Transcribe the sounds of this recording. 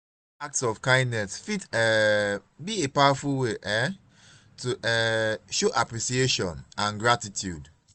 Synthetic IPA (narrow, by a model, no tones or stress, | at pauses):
ak̚tsɔfkãɪ̃ndnɛsfitɛ | biepaʊafulweʔɛ | tuʔɛʃoʔapɹisieʃɔ̃nãnɡɹatitʰjud